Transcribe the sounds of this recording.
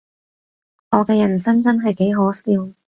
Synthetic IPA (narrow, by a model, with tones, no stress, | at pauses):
ŋɔː˨˧kɛː˧jɐ˨˩nsɐ˥nt͡sɐ˥nɦɐ˨jke˨˥jɦoː˨˥siː˧w